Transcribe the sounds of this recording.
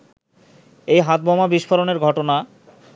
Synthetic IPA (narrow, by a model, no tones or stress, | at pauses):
ejɦat̪̚bɔmabiʃfʰoɾoneɾɡʱɔʈona